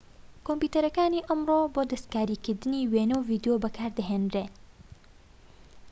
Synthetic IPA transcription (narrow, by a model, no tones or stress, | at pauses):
kompjut̪ɐɾɐkaːniʔɐmroːboːd̪ɐst̪kaːɾiːkɨɾd̪ɨniweːnɐwviːd̪jobɐkʰaːɾd̪ɐɦeːnd̪reː